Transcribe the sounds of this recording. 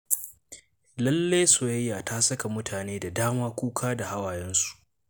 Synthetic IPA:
lɐ˦lːe˦jsoː˨jɐ˦jːaː˨taː˦sɐ˦ka˨mʊ˦tʰaː˨neː˦da˨daː˦maː˦kʷuː˦kʰaː˦da˨ha˦waː˨jɛ˦nsu̥˨ʔ

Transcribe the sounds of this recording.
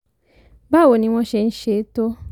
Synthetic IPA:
ba˦˨wo˨nĩ˧˦w̃ɔ̃˦ʃe˧n̩˦ʃe˨˦to˦

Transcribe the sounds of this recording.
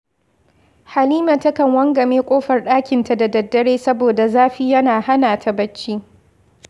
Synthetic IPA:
ha˨liː˦mɐ˨tɐ˦kɐ˨ŋwɐ˦ŋɡɐ˨meː˦kʷʼoː˦ɸɐ˨rɗaː˦kʲɪ˨nta˨da˨dɐ˨dːɐ˦ɽeː˦sɐ˦boː˨da˨zaː˦ɸiː˦jɐ˦naː˨ha˦naː˨tʰa˦bɐ˦t͡ʃːiː˦

